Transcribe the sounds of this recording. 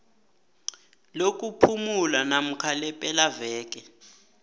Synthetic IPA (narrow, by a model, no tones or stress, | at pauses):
lok̬ʼupʰumulanam̩kʰalɛpʼɛlavɛːk̬ʼɛ